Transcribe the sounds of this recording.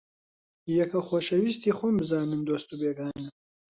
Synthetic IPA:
jɐkʰɐxoːʃɐwist̪iːxʷombɨzaːnɨnd̪oːst̪ubeːɡaːnɨm

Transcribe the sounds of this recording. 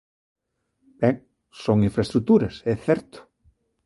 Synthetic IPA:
b̥ɛŋ | soŋĩɱfɾɐst̪ɾut̪uɾɐsɛθɛɾt̪ʊ̥

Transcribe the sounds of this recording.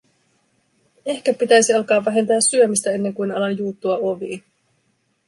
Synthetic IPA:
e̞hk̟æpit̪æjsiɑlkɑːʋːæɦe̞nt̪æːsːyømist̪æe̞nːe̞ŋkujnɑlɑnjuːt̪ːuɑo̞ʋḭː

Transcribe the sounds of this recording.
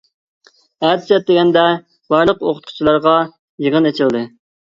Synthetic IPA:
æt̪ʰsɛt̪̚d̪eɡʲɛnd̪ɛ | bɑɾlˠəqo̰qʰʊ̥t̪̚qʰʊ̥t͡ʃʰilˠɑɾʁɑ | jəʁənet͡ʃʰild̪ɨ

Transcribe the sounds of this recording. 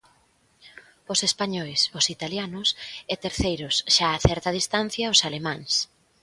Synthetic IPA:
ʊsespaɲɔjsʊsit̪aljanʊset̪eɾθejɾʊsʃaːθɛɾt̪ɐð̞ist̪an̟θjaosalemãŋs

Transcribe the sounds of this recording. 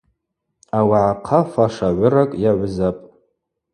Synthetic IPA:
awaʕaqʰafaʂaʕʷʊrakʼjaʕʷʊzapʼ

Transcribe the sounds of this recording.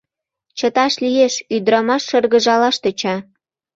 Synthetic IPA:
t͡ɕə̆t̪ɑʃlijeʃyd̪ɾɑmɑʃːɤ̆rɣə̆ʒɑlɑʃt̪ə̆t͡ɕɑ

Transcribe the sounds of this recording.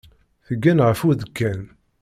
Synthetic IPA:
θəɡːænʁəfuðəkːæn

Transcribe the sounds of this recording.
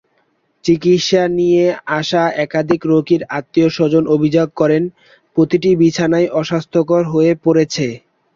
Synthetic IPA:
t͡ɕikitʃanijeaʃaɛkad̪ʱikɾokiɾat̪ːioʃod͡ʑonobʱid͡ʑoɡ̚kɔɾen | pɾot̪iʈibit͡ɕʰanajʔɔʃast̪ʰokoɾɦoepoɾet͡ɕʰe

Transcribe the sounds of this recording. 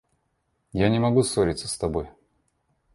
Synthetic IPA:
janʲɪmɐɡusoɾʲɪt̪sə̥st̪ɐboj

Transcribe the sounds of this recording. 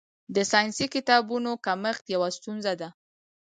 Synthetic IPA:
d̪əsɑjnsikɪt̪ɑbunokaməxt̪jawast̪unzad̪a

